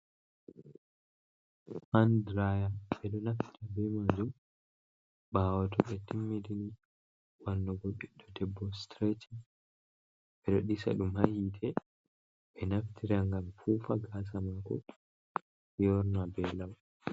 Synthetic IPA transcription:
andɾajaɓɛɗɔnaftiɾabɛmad͡ʒum | baːwatɔɓɛtimːedini | wanːɔɡɔɓiɗːɔdɛbːɔstɾeti | bɛɾoɗisa̰ɗumhahitʰɛ | ɓɛnaftʰiɾaŋɡamfuːfaɡas̬amakɔ̰ | jɔɾnabɛlaw

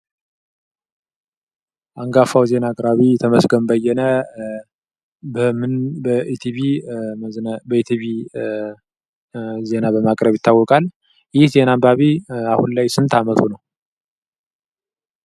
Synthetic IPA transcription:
ʔaŋɡafawze̞naːkʼɾaβit̪ʰəməsɡəmbəjɛnə | bəmɨnbəʔit̪ʰiβimznbəit̪ʰiβi | ze̞nabəmakʼɾəβjɪt̪ʰːawːɔkʼal | jhze̞nambaβiahunlajsɨnt̪ʰamət̪ʰunəw

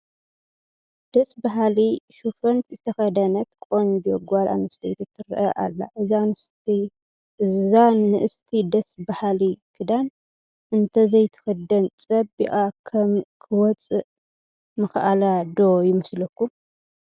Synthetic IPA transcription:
d̪̥ɐsbaɦaliʃufɐnt̪zɨt̪ʰɐxɐd̪ɐnɐt̪kʼond̪oɡʷalʔa̰nɨst̪ʰit̪ʰɐt̪ʰːɨɾ̰ʔɐʔa̰lːa̰ʔɨzanɨst̪i | ʔɨzanɨʔɨst̪ʰid̪ɐsbahalikʰɨd̪an | ʔɨnt̪ʰɐzɐjt̪ʰɨ̥xɐd̪ɐnt͡sʼɐbiʔʼakʰɐmkʰɨwɔt͡sʼɨʔ | mɨxʔalad̪ojɪmɨslɐkːu

